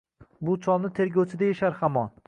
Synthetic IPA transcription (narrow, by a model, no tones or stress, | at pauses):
bʊt͡ʃʰɒlˠnɪt̪ʰe̞ɾɡʲɒwt͡ʃʰɪd̪ajaʃaɾhamɒn